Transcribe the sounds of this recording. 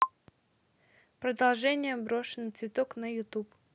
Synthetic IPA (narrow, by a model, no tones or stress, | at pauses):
pɾəd̪ɐlˠʐɛnʲɪjəbɾoʂɨnət̪svʲɪt̪oknəjʊt̪up